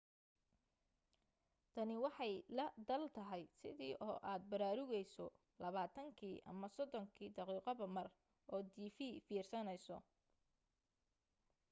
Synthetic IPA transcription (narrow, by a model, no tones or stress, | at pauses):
t̪ʰɐnɪwɑħɑjlɐd̪ɐlt̪ʰɐɦɛjsɪ̰ðiːʔɔːʔaːd̪̚bɐɾaːɾʊɣɛjsɔ | lɐβaːt̪ʰɐŋkʰiːʔɐ̰mɐsɔd̪ɔŋkʰiːd̪ɑqiːqɔβɐmɐr | ʔɔːd̪iːfiːfiːrsɐnɛjsɔ